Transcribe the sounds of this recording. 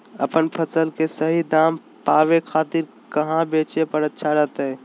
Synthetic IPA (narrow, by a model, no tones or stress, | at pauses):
ɐ̰pənpʰəsəlkesəɦid̪aːm | paːʋekʰaːt̪ɪɾ | kɐɦãbeːt͡ʃepəɾətːʃʰaɾɛɦt̪aɦɛː